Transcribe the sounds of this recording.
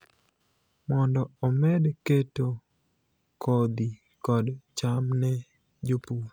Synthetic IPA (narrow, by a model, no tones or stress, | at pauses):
mɔndɔɔmɛdketo | kʰɔd̪i | kɔdt͡ʃamnɛ | d͡ʒopu